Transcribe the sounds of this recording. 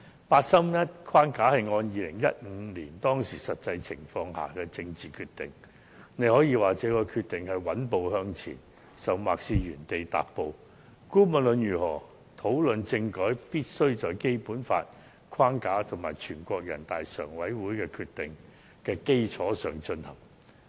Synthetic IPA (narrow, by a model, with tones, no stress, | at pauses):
paː˧t̚sɐ˥mjɐ˥t̚kʰwaː˥nkaː˨˥hɐ˨jŋɔː˧njiː˨˧lɪ˨˩ŋjɐ̰˥t̚ŋ̩˨˧˦liː˨˩nt̪ɔː˥ŋsiː˨˩sɐ˨t̚t͡sɐ˧jt͡sʰɪ˨˩ŋfɔː˧ŋha̰ː˨˩kɛː˧t͡sɪ˧ŋt͡siː˨˩kʰyː˧t̪ɪ̰˨˩ŋ | ne˨˧jhɔː˨˥jiː˧waː˨t͡sɛː˨˧˥kɔː˧kʰyː˧t̪̚ɪ˨ŋhɐ˨jwɐ˨˥np̬o˨˧whœː˧ŋt͡sʰḭː˨˩n | sɐ˨wma̰ː˨k̚siː˧jyː˨˩nt̪e˨jt̪a̰ː˨p̚po˨˧w | kuː˥mɐ˨nlɵ˨njyː˨˩hɔː˨˩ | t̪ʰo˨˥wlɵ˨nt͡sɪ˧ŋkɔː˨˥jpiː˥t̚sɵ˥ɥt͡sɔː˨jke˥jpuː˨˥nfa̰ː˧t̚ | kʰwaː˥nkaː˨˥t̪ʰʊ˨˩maː˨˩jt͡ʃʰyː˨˩nkʷɔː˧k̚jɐ̰˨˩nt̪aː˨jsœ̰ː˨˩ŋwɐ˨˥jwuː˨˥jkɛː˧kʰyː˧t̚t̪ɪ˨ŋ | kɛː˧ke˥jt͡ʃʰɔː˨˥sœː˨ŋt͡ʃɵ˧nhɐ̰˨˩ŋ